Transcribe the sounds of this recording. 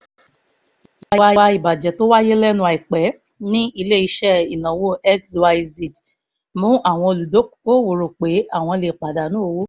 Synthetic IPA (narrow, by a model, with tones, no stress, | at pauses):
a˨˧a˧˦˧a˧˦i˨ba˨d͡ʒɛ˨˦to˦wa˦je˦lɛ˦nũ˧a˨i˨k͡pɛ˨˦ | nĩ˦i˧le˦˨i˧ʃɛ˦˨i˨nã˨wo˦ɛ˦kswa˧i˧zi˨t | mũ˨˦ʔa˦˨w̃ɔ̃˧o˧lu˨do˨˦kko˦˨wo˨ɾo˨k͡pe˨˦a˦˨w̃ɔ̃˧le˨k͡pa˨da˨nũ˨˦o˧wo˦